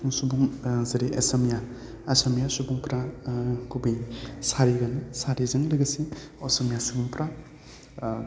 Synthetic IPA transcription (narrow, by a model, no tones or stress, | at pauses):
ŋsubuŋzɐɾiʔesɐmija | esemijasubuŋpɾakubisaɾiɡanɯsaɾizɯŋlɯɡɐsiosɐmijasubuŋpɾa